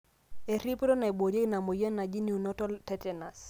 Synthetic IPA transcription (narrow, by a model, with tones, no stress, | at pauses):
e˨ɾi˦pɾɔ˦na˨e˨bo˨ɾe˦ɡna˨mo˨je˦na˨d͡ʒi˦ni˨u˨no˦tɔ˦tɛ˦tɛ˨na˨s